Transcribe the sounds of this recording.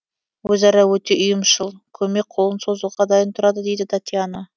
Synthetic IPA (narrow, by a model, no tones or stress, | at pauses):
wɵzɑɾɑwɵt̪e̞ʔʊjəmʃəlˠkʲʰɵme̞k̚qʰo̞lˠənso̞zəlˠʁɑd̪ɑjənt̪ʰʊɾɑd̪əd̪e̞jd̪ɪt̪ʰat̪ʲiana